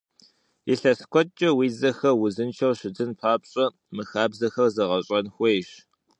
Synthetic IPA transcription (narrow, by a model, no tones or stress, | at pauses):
iɬɐskʷʰɔt͡ʃʼɐwiːzɐxɐrwʊzɨnt͡ʃʰɐwɕɪdʰɨnpʰaːpɕʼɐ | mɨxaːbzɐxɐrzɐʁɐɕʼɐnxʷejɕ